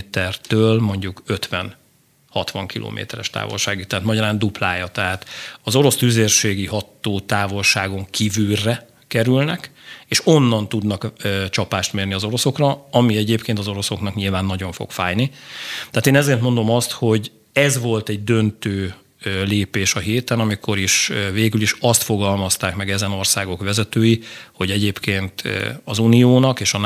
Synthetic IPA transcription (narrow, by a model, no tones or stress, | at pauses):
t̪ɛrt̪øːlmo̞ɲɟukø̞t̪ʋɛn | hɒt̪ʋɒŋkilʔo̰ːmḛːt̪ɛɾɛʃt̪a̰ːvo̞̰lʃaːɡit̪ːɛɦaːt̪mɒɟɒɾaːnd̪uplaːjɒt̪ɛɦaːt̪ɒzo̞ɾo̞st̪yzeːrʃeːɡiɦɒt̪ːoːt̪aːvo̞lʃaːɡo̞ŋkʰivyrːɛ | kɛɾylnɛkeːʃo̞nːɒnt̪ud̪nɒkːt͡ʃɒpaːʃt̪meːrniɒzo̞ɾo̞so̞krɒɒmiɛɟeːpkeːnt̪ɒzo̞ɾo̞so̞knɒkɲilvaːnːɒɟo̞ɱfo̰kfa̰ːjnit̪aaːt̪eːnɛzeːrt̪mo̞nd̪o̞mɒst̪ho̞ɟ | ɛzʋo̞lt̪ɛɟ̚d̪ø̞nt̪øː | leːpeːʃɒɦeːt̪ɛnɒmikʰo̞ɾiʃveːɡyliʃɒst̪fo̞ɡɒlmɒst̪aːkmɛɡɛzɛno̞rsaːɡo̞kʋɛzɛt̪øːjiho̞ɟɛɟeːpkeːnt̪ɒzunijoːnɒkeːʃɒ